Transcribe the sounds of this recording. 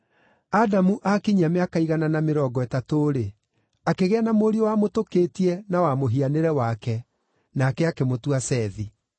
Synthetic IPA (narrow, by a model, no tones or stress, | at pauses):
adamuʔakiɲameakaiɣananameɾɔːɡɔɛtatoɾe | akeɣeanamoːɾiowamotokeːtiɛnawamoɦianeɾɛwakɛ | nakɛakemotuasɛːði